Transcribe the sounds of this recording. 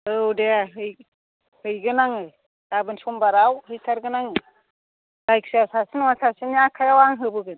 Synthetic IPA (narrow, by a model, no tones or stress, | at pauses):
ɯwdeɦɯj | hɯjɡɯnaŋɯ̥ | abɯnsɔmbaɾawhɯjtʰaɾɡɯnaŋɯ | lajksiasasinɔŋasʰasinijakʰajawaŋɦɯbɯɡɯn